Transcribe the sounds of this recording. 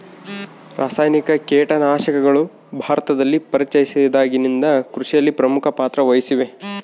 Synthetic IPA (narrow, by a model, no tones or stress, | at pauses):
ɾʔaːsaːjnikɐkeːʈɐnaːʃɐkɐɡɐɭu | bʱaːɾɐt̪ɐd̪ɐlːipɐɾit͡ʃːɐjisid̪aːɡinind̪ɐkɾuʂijɐlːipɾɐmukʰɐpaːt̪ɾɐʋɐjisiʋe̞